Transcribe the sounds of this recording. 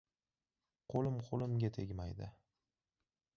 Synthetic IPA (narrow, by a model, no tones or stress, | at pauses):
qʰolɪmqʰolˠɪmɡʲat̪ʰe̞ɡʲmajd̪ɪ̰